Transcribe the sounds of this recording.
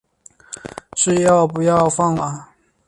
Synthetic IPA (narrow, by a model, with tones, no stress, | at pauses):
ʂɻ̩˥˧jɑ˥˩ʊpu˧˥jɑ˥˧ʊfɑ˥˩ŋa˨˩